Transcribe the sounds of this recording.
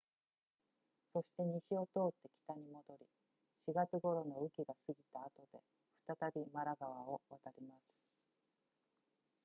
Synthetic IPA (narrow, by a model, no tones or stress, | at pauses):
so̞ɕi̥t̪e̞ɲ̟iɕio̞t̪o̞ːt̪ːe̞kʲi̥t̪aɲ̟imo̞d̪o̞ɾʲi | ɕiɡat͡sɨɡo̞ɾo̞no̞ɯ̟kʲiɡasɨɡʲit̪aːt̪o̞d̪e̞̰ | ɸɯ̟̥t̪at̪abʲimaɾaɡaβao̞βat̪aɾʲimasɨ̥